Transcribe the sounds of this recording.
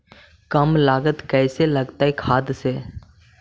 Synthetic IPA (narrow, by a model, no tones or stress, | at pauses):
kəmlaːɡət̪kɛːselɐɡt̪aːɦikʰaːd̪seː